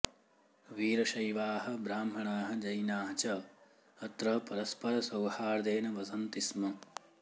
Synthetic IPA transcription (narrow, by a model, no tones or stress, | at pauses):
ʋiːɾɐʃɐjʋaːɦɐ̆bɾaːmɦɐɳaːɦɐ̆d͡ʒɐjnaːɦɐt͡ʃɐː | t̪ɾɐpɐɾɐspɐɾɐsɐwhaːɾd̪eːnɐʋɐsɐnt̪ismɐ